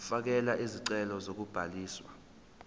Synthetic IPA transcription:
fak̬ɛlaʔiziǀɛlɔzok̬ub̥ʱaliːswa̰

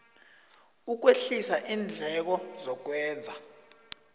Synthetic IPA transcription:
uk̬weɬisaʔiːnd͡ɮʱɛk̬ɔzɔk̬wɛːnd͡zʱa

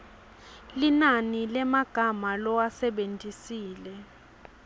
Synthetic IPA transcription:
linanilɛmaɡ̥ʱamalɔwasɛɓentʼisiːlɛ

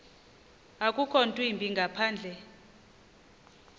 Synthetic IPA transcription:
akʼukʰɔntʼwimbʱiŋɡʱapʰaːnd͡ɮʱɛ

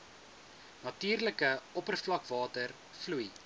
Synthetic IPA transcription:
nɐtiːrləkəɔpərflɐkvɑːtər | fluj

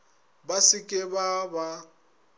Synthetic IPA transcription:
basɪkʼɪbaba

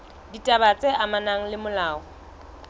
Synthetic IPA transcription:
ditʼabat͡sʼɛʔamanaŋ̩lɪmʊlaːɔ

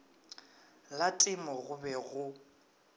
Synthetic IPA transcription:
latʼɪmɔɣʊbɛɣʊ

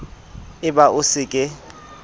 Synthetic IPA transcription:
ɪbaʔʊsɪkʼɪ

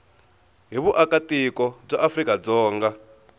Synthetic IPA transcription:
ɦiβuʔakatikɔb͡ʐaʔafrikad͡zɔːŋɡa

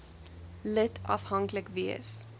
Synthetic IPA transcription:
lətʰɐ̰fɦɐŋkləkviəs

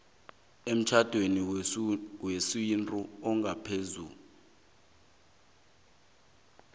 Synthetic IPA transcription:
em̩t͡ʃʰad̥ʱweni | wesintʼuɔŋɡʱapʰezṵːlu

